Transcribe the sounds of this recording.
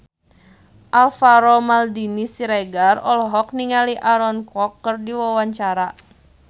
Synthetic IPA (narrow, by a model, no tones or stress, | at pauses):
ʔalfaɾɔmaldinisiɾaɡarɔlɔɦɔk̚niŋaliʔaɾɔnkɔkːərdiwawaɲt͡ʃaɾa